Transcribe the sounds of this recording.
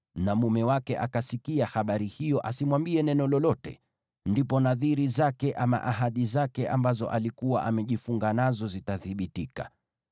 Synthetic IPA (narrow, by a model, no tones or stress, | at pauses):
namumɛwakɛʔakasikiahaɓaɾihijɔʔasimwambiɛnɛnɔlɔlɔtɛ̰ | ndipɔnaðiɾizakɛʔama̰ʔaɦaɗizakɛʔambazɔ̰ʔalikuwa̰ʔamɛʄifuŋɡanazɔzitaθiɓitika